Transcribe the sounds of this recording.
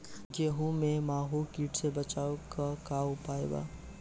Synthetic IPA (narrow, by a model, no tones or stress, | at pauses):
ɡeːɦũmẽmaːɦuːlkiːʈsebət͡ʃaːokakaːpaːeba̰ː